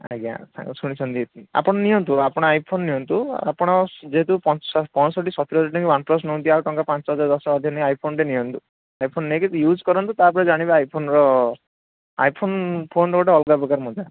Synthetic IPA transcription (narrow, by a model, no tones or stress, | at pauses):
a̰ɡa̰sʰa̰ŋksuɽ̃it͡ʃʰɔnd̪iet̪ia̰pɔɽ̃ɔniɔnt̪uapɔɽ̃ɔajpʰonːiɔnt̪ua̰pɔɽ̃ɔd͡ʒeɦet̪upɔpɔnɔsɔʈ̬isɔt̪ʰiɾɦɔd͡ʒaɾʈɔ̃ŋkiwanplɔs̬nɔw̃nt̪iaɾʈɔŋkapãnt͡ʃɔɦɔd͡ʒaɾd̪ɔsɔɦɔd̪ʱjɔnejajpʰonʈenijɔnt̪u | ajpʰonːekit̪jud͡ʒkɔɾɔnt̪ut̪apɔɾed͡ʒaɽ̃ibaajpʰonɾɔ | ajpʰonpʰonɾɔɡɔʈeɔlɡabɔkaɾmɔd͡ʒ̪a